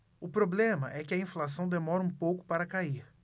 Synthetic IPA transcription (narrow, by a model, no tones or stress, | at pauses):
ʊpɾoblẽmɐʔɛkɪɐĩflas̬ɐ̃w̃d̪emɔɾɐũpowkʊ̥paɾɐkaiɾ